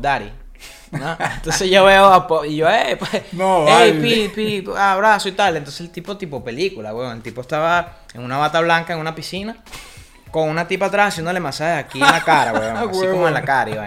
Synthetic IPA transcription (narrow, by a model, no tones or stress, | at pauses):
d̪aɾḭ | noent̪osesʝoβeoapoiʝoepwesnoepipiaβɾasoit̪alent̪o̞nseselt̪ipot̪ipope̞likulaɣweoelt̪ipoest̪aβa | ḛŋunaβat̪aβlaŋkaeŋunapisina | ko̞ŋunat̪ipaːt̪ɾasasend̪olemasaheakinakaɾa̰ɣweomoenlakaɾaiβa̰